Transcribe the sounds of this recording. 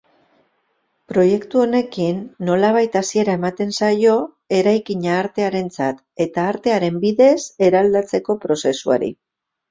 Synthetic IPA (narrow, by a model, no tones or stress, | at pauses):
pɾo̞je̞kt̪uo̞ne̞kinːo̞laβ̞ajt̪asie̞ɾae̞mat̪e̞nsajo̞ | e̞ɾajkiɲaːɾt̪e̞aɾe̞nt͡sat̪ | e̞t̪aːɾt̪e̞aɾe̞mbiðe̞se̞ɾald̪at͡se̞ko̞pɾo̞se̞sua̰ɾḭ